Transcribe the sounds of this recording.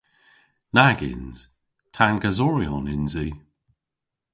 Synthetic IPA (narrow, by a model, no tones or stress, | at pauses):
naɡɪ̰nz̥ | tʰanɡazɔɹiɔnɪnziː